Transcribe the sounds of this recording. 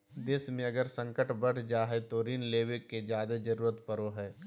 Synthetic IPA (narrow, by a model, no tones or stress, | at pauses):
d̪eːsmẽɐɡəɾsə̃ŋkəʈbɐɽ̤d͡ʒaːɦet̪oɾiːnleːwekːed͡ʒjaːd̪ed͡ʒɐɾuːɾət̪pɐɾoɦɛː